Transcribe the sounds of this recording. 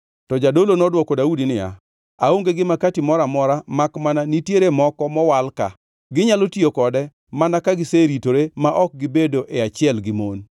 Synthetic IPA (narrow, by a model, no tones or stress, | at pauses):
tɔd͡ʒadolonɔdwɔkɔdaudinɪja̰ | aoŋɡeɡɪmakatimɔɾamɔɾamakmananitjeɾemɔkɔmɔwalka̰ | ɡɪɲalotiokɔdɛ | manakaɡɪseɾitoɾemaʔɔk̚ɡɪbedoʔeat͡ʃɪɛlɡɪmon